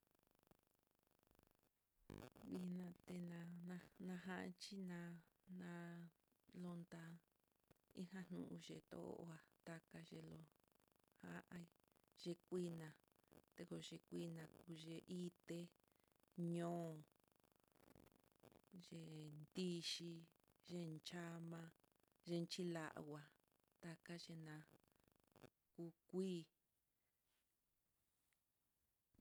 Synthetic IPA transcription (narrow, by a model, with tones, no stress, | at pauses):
βi˧nã˧t̪e˧nã˧nã˧nã˧ɦã˦ʔa̰˧t͡ʃi˦nã˧nã˧ | lo˧nd̪a˧ | i˦hã˦n̥nũ˧˨ʔũ˧ʒḛ˧˨t̪o̰˧˦o̰˦˧ʔo̰˧˦a˧t̪a˧ka˧ʒe˧lo˧ | ha˦ʔã˧i˧ʒ̥e˧kʷi˦nã˨ | t̪e˧ko˧ʒe˧kʷi˦nã˧ku˧ʒe˧ʔi˦t̪e˦ | ɲõː˦˨ | ʒe˧nd̪i˦ʃi˧ | ʒe˦nt͡ʃa˦mã˧ | ʒe˧nt͡ʃi˦la˧ʔwʷa˨ | t̪a˧ka˦ʒe˧nã˧ | ku˧kʷiː˦˨